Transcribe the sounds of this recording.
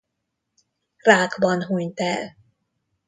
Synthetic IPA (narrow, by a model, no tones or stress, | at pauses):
raːɡbɒnɦuɲt̪ɛl